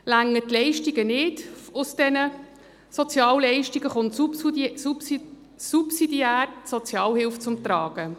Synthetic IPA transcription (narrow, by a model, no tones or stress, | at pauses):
læŋːətlɛɪʃtiɡənɪdʊsd̥ɛnə | sɔt͡sjɑːllɛɪʃtiɡəχʊnts | supsidiæːrsɔt͡sjɑːlhɪlft͡sʊmt̪ɾɑːɡ̥ə